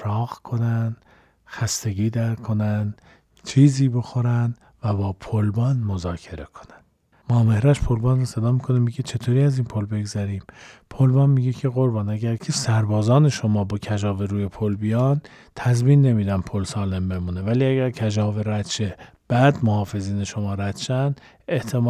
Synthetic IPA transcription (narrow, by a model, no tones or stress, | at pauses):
ɾɒːɣkʰo̞næn | xæst̪e̞ɡiːd̪æɾkʰo̞næn | t͡ʃʰiːziːbo̞xo̞ɾænd̪ | væbɒːpʰolbɒːnmozɒːcʰe̞ɾe̞̰kʰo̥nænd̪̥ | mɒːme̞hɾæʃpʰolbɑːnrose̞d̪ɒːmikʰo̞nemiɟe̞t͡ʃʰe̞t̪ʰoːɾiːæziːnpʰolbe̞ɡzæɾiːmpʰolbɒːnmiːɟe̞cʰe̞ɣoɾbɒnæɡæɾcʰesæɾbɒːzɒːne̞ʃo̞mɒːbɒːcʰæd͡ʒɒːveɾuːjepʰolbijɒːn | t̪ʰæzmiːnːe̞miːd̪ænpʰolsɒːle̞mbe̞muːne̞væliːæɡæɾcʰæd͡ʒɒːveɾæt̪ʃeb̥æd̪mohɒːfe̞ziːne̞ʃo̞mɒːɾæt̪ʃænd̪ | e̞ht̪ʰem